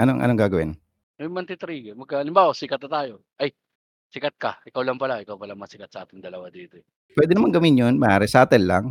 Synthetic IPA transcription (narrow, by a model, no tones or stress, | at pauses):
ʔɐnoŋʔɐ̰noŋɡaːɡɐwɪn | ʔɐjmɐnt̪ɪt̪ɾiɡɐmɐɡ̚kaʔɐlɪmbaːwasɪkɐt̪̚nɐt̪aːjo̞ | ʔɐj | sɪkat̪̚kɐ̰ʔɪkawlɐŋpɐlaʔɪkawpɐlamɐsɪkat̪sɐʔaːt̪ɪŋd̪ɐlɐwad̪iːt̪oɛ | pwɛːd̪ɛnɐmaŋɡɐminjonmɐʔaːɾɛsɐʔaːt̪ɛnla̰ŋ